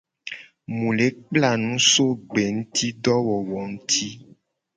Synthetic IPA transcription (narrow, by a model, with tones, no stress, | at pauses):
mũ˨le˨˦k͡pla˦˨nũ˦so˦ɡ͡be˨ŋũ˦t̪i˦ɖɔ˦wɔ˨wɔ˨ŋ̩˦t̪ʰi˦